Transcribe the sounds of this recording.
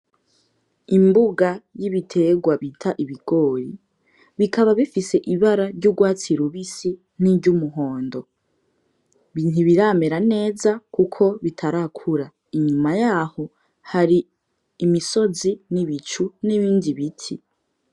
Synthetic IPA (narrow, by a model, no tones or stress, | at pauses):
imbuɡajiβitʰe̞ɡwaβitʰaʔiβiɡ̥o̞ːɾi | βikʰaβaβifise̞ʔiβaɾaɾɟuɡwaːt͡siɾuβisi | n̥iɟumuɦo̞ːndo̞ | βiːn̥uβiɾameɾane̞ːzakukʰo̞βitʰaɾakʰuɾa | iɲumajaːho̞ | haɾiː | miso̞ziniβit͡ʃuniβiːndiβitʰḭ